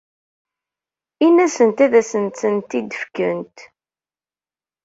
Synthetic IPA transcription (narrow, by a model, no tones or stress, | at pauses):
inæsənt̪æðæsənt̪sənt̪id̪əfkə̰nt̪